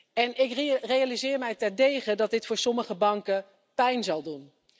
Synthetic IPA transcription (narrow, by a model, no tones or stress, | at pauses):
ɛnɪkrejalizɪːɹmɛjtɛɹdejχədɑt̚dɪtfʊːɹsɔməχəbɑŋkə | pɛjnzɑlˠdun